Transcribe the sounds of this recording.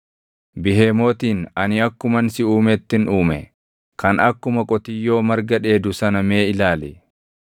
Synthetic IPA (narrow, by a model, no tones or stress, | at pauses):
bɪɦe̞ːmo̞ːt̪iːnɐnɪɐkːʊmɐnsɪuːmɛt̪ːɪnuːmɛ̰ | kʰɐnɐkːʊmɐkʼɔt̪ɪjːo̞ːmɐɾɡɐᶑe̞ːd̪ʊsɐnɐme̞ːɪlaːlɛ